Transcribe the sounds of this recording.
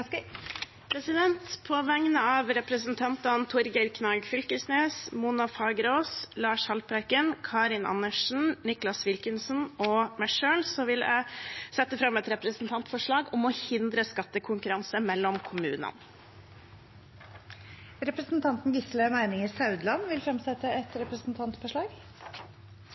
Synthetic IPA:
pʰɾɛsɪd̪ɛnt̪pʰɔʋæŋnəɑːʋɾɛpɾəsn̩t̪ʰɑnt̪ɑnt̪ʰʊɾɡəɾkʰnɑːɡfʏlkəsneːsmunɑfɑːɡɾoːslɑːʂhɑlpɾæɾkənkʰɑɾɪnɑ̰nːəʂn̩nɪklɑsʋɪlkənsn̩ɔmæɪʂøːlsɔʋɪlæ̰ɪsɛt̪ːəfɾɑmɛt̪ɾɛpɾəsn̩t̪ʰɑnt̪fɔʂɭɑːɡɔmɔhɪnd̪ɾəskɑt̪ːəkʰʊŋkʉɾɑnsəmɛlːɔmkʰʊmʉ̰ːnə̰n | ɾɛpɾəsnt̪ʰɑnt̪n̩ɡɪslemæɪnɪŋɪsɑʉd̪lɑnʋɪlfɾɑmsɛt̪ːəɛt̪ɾɛpɾəsn̩t̪ʰɑnt̪fɔʂɭɑːɡ

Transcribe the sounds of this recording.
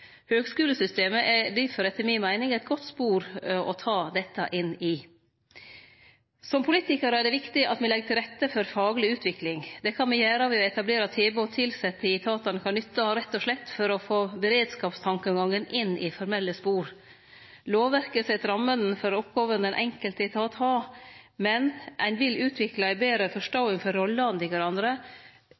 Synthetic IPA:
høːɡskʉːləsʏst̪eːməʔɛɖɪfɔɾɛt̪ːəmɪnmæɪnɪŋæɪt̪̚ɡɔt̪ːspuːɾʔɔt̪ʰɑːd̪ɛt̪ːə̰ʔɪnːɪ | sɔmpʰʊliːt̪ɪkəɾəæɖɛʋɪkt̪ɪʔɑ̰t̪mɛlɛɡt̪ʰɪlɾɛt̪ːəfɔɾfɑːɡlɪʉːt̪ʰʋɪklɪŋd̪ɛkʰɑnmɛjæːɾɑʋɛɔɛt̪ɑbleːɾɑt̪ʰeːboːt̪ʰɪlsɛt̪ːəɪt̪ʰɑːt̪ɑnkʰɑnnʏt̪ːɑɑɾɛt̪ːɔʂlɛt̪ːfɔɾɔfoːbəɾeːd̪skɑːpst̪ʰɑŋkəɔŋɡɑŋːənɪnːɪfɔɾmɛlːəspuːɾ | loːʋʋæɾkəsɛt̪ɾɑmːənn̩fɔɾɔpɡoːʋənənʔɛ̰ŋkəlt̪əɪt̪ʰɑːt̪hɑːmɛnʔænʋɪlʉːt̪ʰʋɪklɑæɪbeːɾəfɔʂʈoɪŋfɔɾɔlːəɑnd̪ɪʋæɾɑnd̪ɾə

